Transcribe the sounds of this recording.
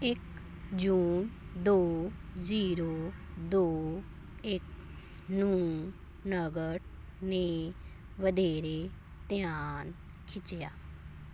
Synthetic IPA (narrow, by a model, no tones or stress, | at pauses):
ɪk | d͡ʒuːnd̪oːziːɾoːd̪oː | ɪk | nuː | nəɡəʈ | ne | ʋəd̪eːɾe | t̪jaːn | kʰɪt͡ʃjaː